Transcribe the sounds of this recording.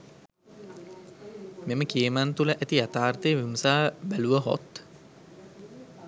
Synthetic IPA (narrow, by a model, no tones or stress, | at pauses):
meməkiəmant̪uləʔæt̪iat̪aːrt̪ejʋiməsaːbæluʋəɦo̰t̪